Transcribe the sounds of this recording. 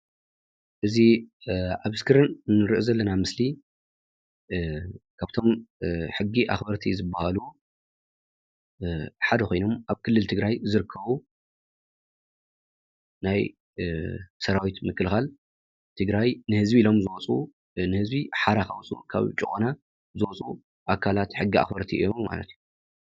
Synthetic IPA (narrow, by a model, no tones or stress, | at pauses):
ʔɨzi | aβɨskʰɨɾɨnnːɨɾɨʔuzɐlːɐnamɨsli | kʰaβt̪ʰo̞mħɨɡːiʔa̰xbɐɾt̪ʰizɨbːahalu | ħad̪ɐkʰʷo̞jno̞maβkʰɨlːɨlt̪ʰɨɡɾajzɨɾɨkʰːɐβu | naj | sɐɾawit̪mɨkːɨlxal | t̪ʰɨɡɾajnɨhɨzbiːlo̞mzɨwɔt͡sʼṵ | nɨhɨzbiħaɾaxawt͡sʼṵkʰa̰βt͡ʃʼukʼona | zɨwɔt͡sʼṵ | ʔakʰːalat̪ħɨɡːia̰xbɐɾt̪ʰiʔɨ̰jːomma̰lɐ̰t̪ju